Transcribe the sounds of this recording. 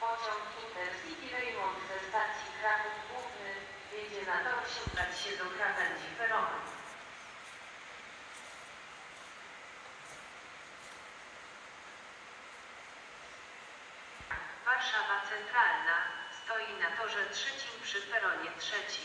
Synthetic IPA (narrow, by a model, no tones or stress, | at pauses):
pɔt͡ɕɔŋkʲit̪ɛɾzʲibʲiɾɛjmɔnt̪vɛst̪aɾsʲikɾavuvɡwuvnɘ | bʲɛɲd͡ʑɛnad̪awɕɛŋɡat͡ɕɕɛd̪ɔkɾavɛnd͡ʑipɛɾɔnɛ | vaɾʂavat̪sɛnt̪ɾalnast̪ɔjinat̪ɔʐɛtʂɛt͡ɕimpʂɘpɛɾɔɲɛtʂɛt͡ɕi